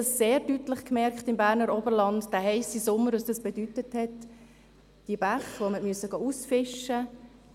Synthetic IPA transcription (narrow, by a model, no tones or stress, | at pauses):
ɑsseːɾdytlɪχkmɛɾkχtɪmbæːɾnəɾɔbəɾlɑndd̥æːhɛɪsisʊmːəɾɑsd̥ɑsb̥edytəthɛt | d̥iəbaχʋoməmyəsəɡ̥ɑːusfɪʃə